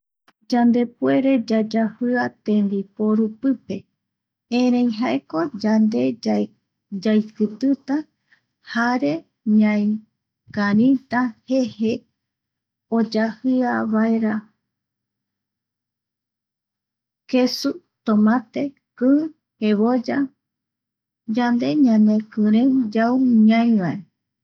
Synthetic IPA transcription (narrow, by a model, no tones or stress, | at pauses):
d͡ʒand̪e̞pue̞ɾe̞d͡ʒad͡ʒahɨat̪ẽnd̪ipoɾupɨpe̞ | ẽɾẽj̃ɦaeko̞d͡ʒand̪e̞ | d͡ʒajkɨt̪ɨt̪a | haɾe̞ | ɲãj | kaɾĩt̪ahe̞he | od͡ʒahɨaβaeɾa | kesu | t̪omãt̪e | kɨ | heβod͡ʒa | d͡ʒand̪e̞ɲãnẽkɨ̃ɾẽd͡ʒawɲãj̃βae